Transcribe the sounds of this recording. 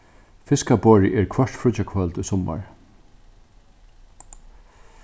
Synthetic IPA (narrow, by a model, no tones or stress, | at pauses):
fɪskabɔːɹɪʔɛɹkʰʋœɹʈ̪fɾʊt͡ʃakʰvœlt̪ʊjsɔma̰ɹ